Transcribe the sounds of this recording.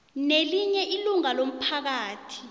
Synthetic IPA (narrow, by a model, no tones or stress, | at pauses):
neliɲɛʔiluŋalom̩pʰak̬aːtʰi̥